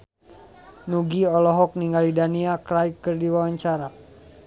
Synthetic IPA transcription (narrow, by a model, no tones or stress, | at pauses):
nuɡiɔlɔɦɔk̚niŋɡalidaniakɾajkːɨrdiwawaɲt͡ʃaɾa